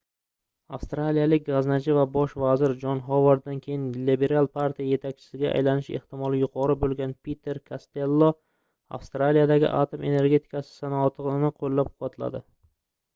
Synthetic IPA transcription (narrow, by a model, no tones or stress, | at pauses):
afst̪ɾalijalɪk̚ʲɡaznad͡ʒɪvabɒʃvazɪɾd͡ʒɒnɦɒvaɾd̪ankʲʰe̞jɪnlibeɾalˠpʰaɾt̪ʰijaje̞t̪ʰakʲt͡ʃʰɪ̥sɪɡʲaʔa̰jlanɪʃe̞̰ht̪ɪmɒlˠɪjʊqʰɒɾɪbolɡʲanpʲit̪ʰːe̞ɾkʰast̪e̞lˠːɒ | a̰fst̪ɾalijad̪aɡʲɪ̰ʔat̪ʰome̞ne̞ɾɡʲe̞t̪ʰɪ̥kasɪ̥sanɒɒt̪ʰɨʁɪnɪqʰolːap̚qʰʊwat̪la̰d̪ɪ